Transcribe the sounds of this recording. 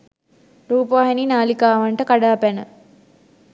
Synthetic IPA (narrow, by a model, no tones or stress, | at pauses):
ɾuːpəʋaɦeninaːlikaːʋaɳʈəkaɖaːpænə